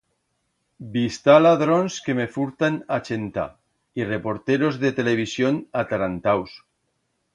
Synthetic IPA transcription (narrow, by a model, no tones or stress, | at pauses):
bist̪alaðɾonskemefuɾt̪anat͡ʃent̪a̰ | irepoɾt̪eɾozðet̪eleβ̞isjonat̪aɾant̪aws